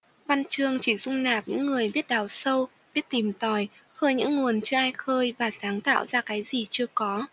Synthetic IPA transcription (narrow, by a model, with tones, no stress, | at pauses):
va˧nt͡ɕɨ˧əŋt͡ɕi˧˩zʊ˧ŋ͡mnaː˨˩p̚ɲɨ̰˧˥ŋːɨ˨˩əjɓi˦˥ət̚ɗaː˨˩wsə˧w | ɓi˦˥ət̚t̪i˨˩mt̪ɔ˨˩j | xəː˧jɲɨ̰˧˥ŋːu˨˩ənt͡ɕɨ˧əʔaː˧jxəː˧jvaː˨˩saː˨˦ŋt̪a̰ː˧˨wzaː˧kaː˨˦jzi˨˩t͡ɕɨ˧əkɔ˨˦